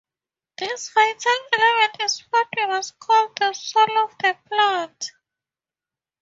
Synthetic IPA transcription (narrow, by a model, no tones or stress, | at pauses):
ðisfajtʰalɛlɛmɛ̃ntʰiswɔtʰwimaskʰɔld̚ðəsɔlɔfðəplãt